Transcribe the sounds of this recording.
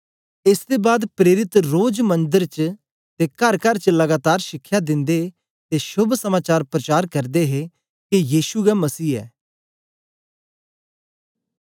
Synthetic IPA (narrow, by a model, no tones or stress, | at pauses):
ɪsd̪ebaːd̪pɾeːɾɪt̪ɾoːd͡ʒmɐ̃nd̪əɾt͡ʃ | t̪ekɐɾkəɾt͡ʃlɐɡaːt̪aːɾʃɪkʰːjad̪ɪ̃nd̪e | t̪eʃʊbʱsɐmaːt͡ʃaːɾpɾɐt͡ʃaːɾkɐɾd̪eɦe | kijiːʃuɡɛmɐsiːɛ̰ː